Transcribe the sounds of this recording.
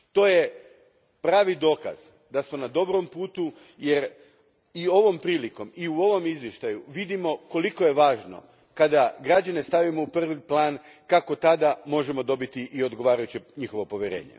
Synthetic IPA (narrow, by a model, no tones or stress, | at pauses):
t̪o̞ːje | pɾaːʋid̪o̞ːka̰z | d̪asmo̞nad̪o̞bɾo̞mpuːt̪u | je̞ɾ | io̞ʋo̞mpɾiːliko̞miuo̞ʋo̞mizʋjeʃt̪ajuʋid̪imo̞ko̞liko̞je̞ʋaːʒno̞̰ | kad̪aɡɾad͡ʑane̞st̪aʋimo̞upr̩ʋiplˠaːnkako̞t̪ad̪amo̞ʒe̞mo̞d̪o̞bit̪iʔio̞d̪ɡo̞ʋaːɾajut͡ɕeɲixo̞ʋo̞po̞ʋjeɾe̞̰ːɲḛ